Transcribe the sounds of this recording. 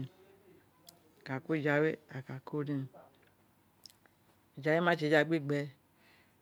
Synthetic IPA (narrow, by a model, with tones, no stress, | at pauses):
ka˨ku˦˨d͡ʒa˨we˦a˨ka˨ko˦dĩ˦˨ | d͡ʒa˨˦we˦mã˦t͡ʃe˨d͡ʒa˨ɡ͡bi˦˨ɡ͡bɛ˨˦